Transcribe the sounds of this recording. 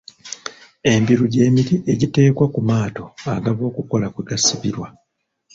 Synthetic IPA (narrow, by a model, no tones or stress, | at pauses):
e̞mbiɾuɟe̞ːmiɾiʔe̞ɟite̞ːkwakumaːto̞aɡaβo̞ːkuko̞lakweɡasiβiɾwa